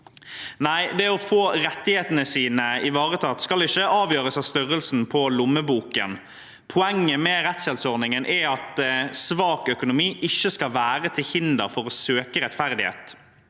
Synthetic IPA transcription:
næɪd̪ɛɔfoːʁɛt̪ːɪheːt̪ənəsiːnəɪʋɑːʁət̪ʰɑːt̪skɑlɪçəɑːʋjøːɾəsɑʋst̪ʏʁəlsn̩pʰɔlʊmːəbuːkə̰n | pʰʊɛŋːəmɛɾɛt̪sɛlt̪sɔʁnɪŋənʔɛɑt̪sʋɑːkœkʊnʊmiːʔɪçːəskɑlʋæːʁət̪ʰɪlhɪnd̪əɾfɔɾɔsøːkəɾɛt̪fæʁd̪ɪhḛːt̪

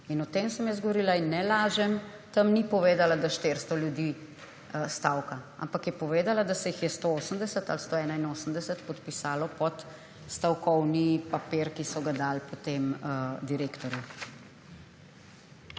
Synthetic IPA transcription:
inɔt̪emsəmjəz̬ɡɔʋɔɾilainːɛlaːʒɛm | t̪ɐmnipɔʋeːd̪alad̪aʃt̪eɾst̪ɔljud̪iː | st̪awkaa̰mpakjɛpɔʋeːd̪alad̪asɛjixjɛst̪ooːsəmd̪ɛsət̪a̰lst̪oɛːnainoːsəmd̪ɛsət̪pɔt̪pisaːlɔpɔt̪ | st̪awkɔwnipapeɾkisɔɡad̪aːlpɔt̪emd̪iɾekt̪ɔɾju

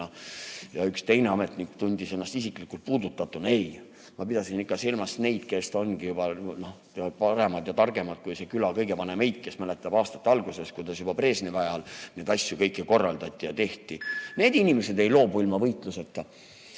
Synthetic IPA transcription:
ɑjɑykst̪e̞jne̞ɑme̞t̪ˑnikt̪unʲd̪ise̞nːɑst̪isiklikːˑult̪̚puːd̪ut̪ːˑɑt̪ːˑune̞j | mɑpid̪ɑsinikːɑsilmɑsne̞jd̪̥̚ke̞so̞nɡ̥ijub̥ɑno | pɑɾe̞mɑd̪̥jɑt̪ɑrɡ̥e̞mɑd̪̥̚kujse̞kylɑkɤjɡevɑne̞mejd̪̥̚ke̞smæle̞t̪ˑːɑb̥ɑːst̪ɑ̥t̪ːeɑlɡ̥use̞skujd̪̥ɑsjub̥ɑpre̞ːsnivæjɑlne̞ːd̪ɑsʲjukɤjkːˑeko̞rːɑ̰ld̪̥ɑt̪ʲːˑijɑt̪e̞ht̪ine̞ːd̪inʲime̞se̞d̪e̞jlo̞ːbuilmɑvɤjt̪ˑluset̪ːɑ

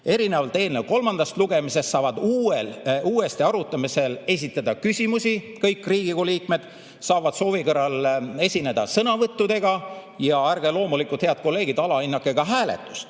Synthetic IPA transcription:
e̞ɾine̞vɑlt̪e̞ːlnelko̞lmɑnd̪̥ɑst̪luɡ̥e̞mise̞st̪sɑːvɑd̪̥uːeluːe̞st̪iɑɾut̪ːˑɑmise̞le̞s̬ʲit̪ˑːɑd̪ɑkysʲimusi | kɤjkːˑriːɡ̥ikoliːkˑme̞d̪̥ | sɑːvɑd̪̥so̞ːvikɤrːɑle̞sʲine̞d̪̥ɑsɤnɑvɤt̪ːud̪̥e̞ɡ̥ɑjɑærɡ̥elo̞ːmulikˑult̪heɑd̪̥̚ko̞lːe̞ːɡid̪ɑlɑinːɑkːˑe̞ɡ̥ɑɦæːle̞̰t̪ːˑu̥st̪

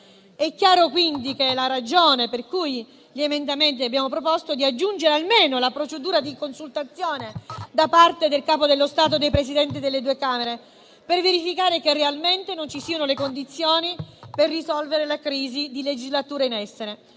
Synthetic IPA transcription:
ɛkːjaːɾokwind̪ikeɛlaɾad͡ʒoːneperkuj | ʎiemend̪ament̪iabːjaːmopɾopost̪od̪iad͡ʒːund͡ʒeɾealmeːnolapɾot͡ʃed̪uːɾad̪ikonsult̪at̪sːjoːned̪apart̪ed̪elkaːpod̪elːost̪aːt̪̬od̪ejpɾesid̪ɛnt̪id̪elːed̪uːekaːmeɾe | perveɾifikaːɾekerealment̪enont͡ʃisiːanolekond̪it̪sːjoːniperːisɔlveɾelakɾiːzid̪iled͡ʒizlat̪uːɾainɛsːeɾe

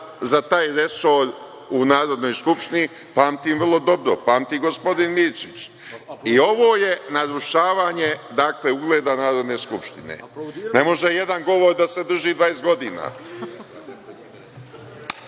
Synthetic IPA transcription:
zat̪aːjɾe̞so̞ɾ | unaːɾo̞d̪no̞jskupʃt̪ini | paːmt̪iːmvr̩lˠo̞d̪o̞bɾo̰paːmt̪iɡo̞spo̞d̪inmiɾt͡ʃit͡ɕ | io̞ʋo̞ːje̞naɾuʃaːʋaːɲe̞d̪aːkle̞uɡle̞ːd̪anaːɾo̞d̪ne̞ːskupʃt̪inḛne̞mo̞ʒeje̞d̪anɡo̞ʋo̞ɾd̪ase̞d̪r̩ʒiːd̪ʋajesɡo̞d̪iːna̰ː

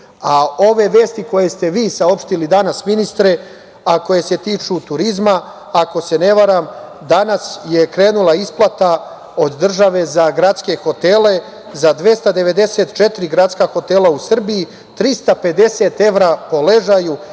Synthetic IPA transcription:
ao̞ʋe̞ʋe̞ːst̪iko̞je̞st̪e̞ʋiːsao̞pʃt̪ilid̪anasminist̪ɾe̞ | ako̞je̞se̞t̪iːt͡ʂut̪uɾizma | ako̞se̞ne̞ʋaɾam | d̪anasjekɾe̞ːnulˠaisplˠat̪a | o̞d̪ːr̩ʒaʋe̞zaɡɾat̪ske̞xo̞t̪e̞le̞ | zad̪ʋje̞st̪ad̪e̞ʋe̞d̪e̞seːt̪t͡ʃet̪iɾiɡɾat̪skaxo̞t̪elˠausr̩biji | t̪ɾist̪ape̞d̪e̞se̞t̪e̞ʋɾapo̞le̞ʒaju

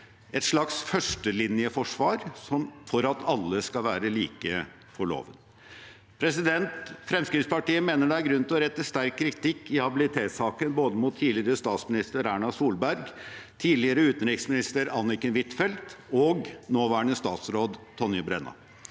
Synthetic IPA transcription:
ɛt̪ʂɭɑksfœʂʈəlɪnɪəfɔʂʋɑːɾsɔmfɔɾɑt̪ʰɑlːəskɑʋæːɾəliːkə | fɔɭo̰ːʋənə | pʰɾɛsɪd̪ɛnt̪fɾɛmskɾɪspɑʈiːəmeːnəɖɛæɾɡɾʉnt̪ʰɪɔɾɛt̪ːəst̪æɾkʰːɾɪt̪ʰɪkːɪhɑbɪlɪt̪ʰeːt̪sɑːkənboːd̪əmʊt̪ʰːiːdlɪəɾəst̪ɑːt̪smɪnɪst̪əɾæːɳɑsuːlbæɾɡt̪ʰiːlɪəɾəʉːt̪nɾɪksmɪnɪst̪əɾɑnːɪkənʋɪt̪fɛlt̪ɔɡnoːʋæːəɳəst̪ɑːt̪sɾoːd̪t̪ʰɔnjəbɾɛnːɑ̰

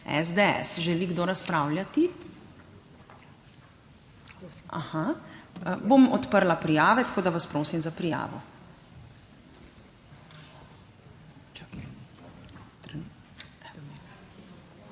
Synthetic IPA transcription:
ɛ̰zd̪eɛ̰sʒɛliɡd̪oɾaspɾawljat̪i | a̰haəbomɔt̪pəɾlapɾijaːʋɛt̪ḁkoːd̪aʋaspɾoːsimzapɾija̰ːʋɔ̰ | t̪

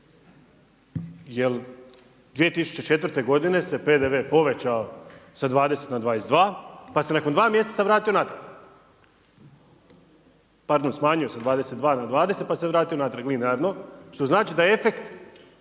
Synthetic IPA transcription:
jel | d̪ʋije̞t̪isu̥t͡ɕe̞t͡ʃe̞t̪ʋɾ̩t̪e̞ɡo̞d̪ine̞se̞pe̞d̪eʋe̞ːpo̞ʋe̞t͡ɕaosad̪ʋaːd̪e̞se̞t̪nad̪ʋaːjesd̪ʋaːpase̞nakond̪ʋaːmje̞setsaʋɾaːt̪io̞nat̪ɾaɾɡ | paɾd̪onsmaːɲujosad̪ʋaːd̪e̞set̪d̪ʋaːnad̪ʋaːd̪ese̞t̪paseʋɾaːt̪io̞nat̪ɾaɡlinaɾno̞ʃt̪o̞znaːt͡ʃid̪ajeefe̞kt̪

